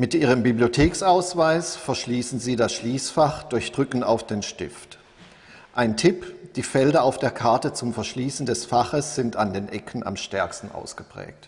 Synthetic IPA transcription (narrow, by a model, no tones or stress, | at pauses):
mɪtʔiːʁ̞əmbibliotʰeːksaʊsv̥aɪsfɛɐʃliːsn̩ziːdasʃliːsfaχd̥ʊɐçd̥ʁʏkn̩aʊfd̥eːnʃtɪ̰ft | ʔaɪntʰɪpd̥iːfɛldɐaʊfd̥eːɐkʰaɐtət͡sʊmfɛɐʃliːsn̩dɛsfaχəsz̥ɪntandeːnʔɛkʰn̩a̰mʃtɛɐkstn̩ʔa̰ʊsɡ̥əpʁ̥ɛ̰ːk̚t